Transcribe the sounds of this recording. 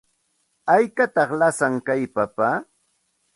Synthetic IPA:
ajkat̪ɑχlasaŋkajpapa

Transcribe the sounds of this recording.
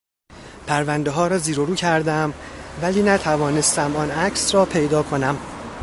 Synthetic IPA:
pʰæɾvænd̪e̞ɦɒːɾɒːziːɾoɾuːcʰæɾd̪æmvæliːnæt̪ʰævɒːne̞st̪æmɒnæcʰsɾɒːpʰe̞jd̪ɒːkʰo̞næm

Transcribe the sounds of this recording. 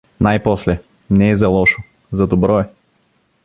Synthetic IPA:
najpɔslɛ | nɛːzɐlˠɔʃo | zɐd̪obɾɔɛ

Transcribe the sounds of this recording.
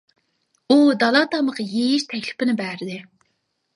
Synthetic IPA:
ud̪ɑlˠɑt̪ɑməʁɑjejiʃt̪ʰɛkʲlɪpɪnɪbæɾɪd̪ɪ

